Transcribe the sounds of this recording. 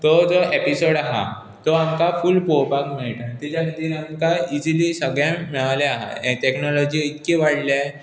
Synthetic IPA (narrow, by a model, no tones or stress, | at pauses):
t̪ɔd͡zɔepisoɽaɦa̰ | t̪ɔamkafulpowpakmiɭʈãt̪id͡ʑanit̪iːnamkaid͡ʑilisəɡɭjãmɛɭaleaɦa̰ʈ̪eknɔlɔd͡ʑiːit̪keʋaɽlja